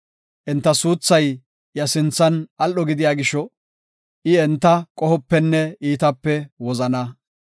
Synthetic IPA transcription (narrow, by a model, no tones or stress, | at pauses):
ʔɛnt̪ːɐsuːt͡sːɐj | jɐsɪnt͡sːɐnʔɐlɔɡɪd̪ɪjaːɡɪʃɔ | ʔɪɛnt̪ːɐkʼɔhɔpːɛnːɛiːt̪ɐpːɛwɔzɐnɐ